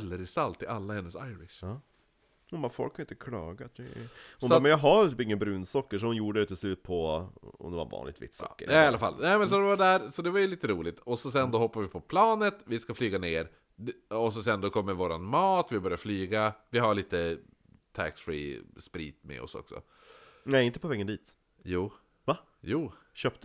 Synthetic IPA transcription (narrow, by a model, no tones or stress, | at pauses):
lːəɾɪsalt̪ɪʔalːahɛnːəsajɾɪʂ | hʊnbɑɾfɔlkʰːhanjɪnt̪əkʰlɑ̰ːɡat̪̚ɛʊnbamɛnjɑɦaɾt̪ʰyːpɪŋːənbɾʉːnsɔkːəʂɔhʊnjuːɖəd̪ɛt̪ʰɪlslʉ̟ːt̪̚pʰɔɔ̰md̪ɛva̰ɾvɑ̰ːnlɪɡ̚t̪vɪ̰t̪ːsɔ̰ːkːə̰ɾɛalːafa̰lːnɛːɪmɛns̬ɔd̪ɛvaɖæːɾsɔd̪ɛvajɵliːt̪əɾuːlɪɡt̪ɔsɔs̬ɛnd̪ɔɦɔpːaɾvɪpʰɔpʰlɑːnət̪vɪskaflyːɡaneːɾ | ɔs̬ɔsɛnd̪ɔkʰɔmːəɾvoːɾa̰nmɑːt̪vɪbœɾjaɾflyːɡavɪɦaɭiːt̪ə | t̪ʰæ̰ksfɾḭːspɾḭːt̪mɛ̰ɔ̰sɔ̰ksɔ̰ | nɛɪnt̪ə̥pʰɔvɛːɡənd̪iːt̪ | juː | va | juːɕøːpt̪